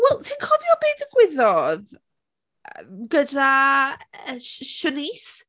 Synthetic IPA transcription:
wɛlˠtʰiːnkʰɔvjɔbeːdəɡ̥wɪðɔð | əɡəda | əʃənis

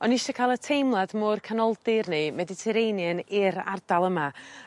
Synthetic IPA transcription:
ɔniʃɔkʰalˠətʰejmlˠadmʊrkʰanɔlˠdɨrnɨmɛdɪtʰɛɾejnjənɪɾa̰rdalˠəma

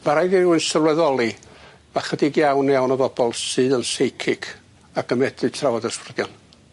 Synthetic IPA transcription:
maɾajðiruɨnsəvlwɛðɔlˠi | maχədiɡjawnawnəbɔbɔlˠsɨːðənsejkʰɪkʰ | aɡəmɛdrɨtʰrawɔdəsɪrdjɔn

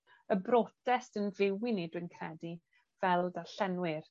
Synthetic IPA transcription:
əbrɔdɛstənvɪwɪnidɨnkʰrɛdi | v̥ɛlˠdaɬɛnwɪr

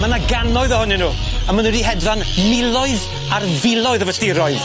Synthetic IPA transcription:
manaɡanɔɨðɔhʊninuːəmənudiɦɛdvanmɪlˠɔɨð | arvɪlˠɔɨðəvəstɪɾɔɨð

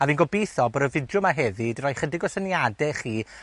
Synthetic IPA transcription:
aviːnɡɔbejθɔboɾəvɪdjʊmaɦɛðɪdrajχədɪɡɔsənjadɛχiː

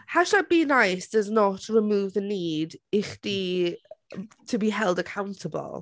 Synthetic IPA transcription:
haʃabinajsd̥əznɔtʰɹɪmuːvðəniːdɪχd̥i | tʰəbiɦɛlˠdəkʰawntʰəbə̰lˠ

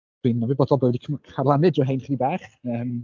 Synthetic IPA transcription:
winːavibɔdɔlˠbəvɛdikʰkʰarlˠanɨdɔɦejnχədibɛːχəːm

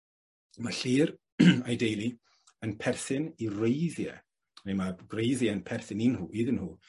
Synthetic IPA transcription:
maɬiːɾ | ajdejlˠi | ənpʰɛrθɪnirejðjɛ̰ | nemarejðjɛənpʰɛrθɪninhuːiːðənhuː

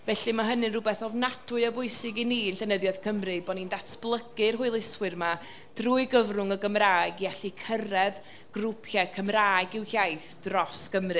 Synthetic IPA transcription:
vɛɬimaɦənɨnrʊbɛθɔvnatʰʊɨəbʊɨsɪɡiniːnɬɛnəðjɔð̥kʰəmrɨbɔnindatʰb̥lˠəɡɨrɦʊɨlˠɪswɨrma | d̥ruːɨɡəvrʊŋəɡəmraːɡiaɬikʰəɾɛð | ɡ̥rupʰjakʰəmraːjɡɪwhjajθd̥rɔskəmrɨ

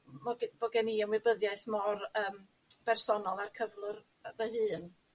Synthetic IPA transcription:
mɔɡmɔɡɛniɔmwɪbəðjaɨθmɔrəːm | b̥ɛrsɔnɔlˠarkʰəvlˠɨr | vəhɨːn

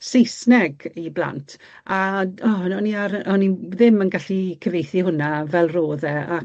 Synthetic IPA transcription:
sejsnɛɡiblˠa̰ntʰ | aɔnɔniaɾɔniðɪmənɡaɬikʰəvejθihʊnavɛlˠroːðɛa

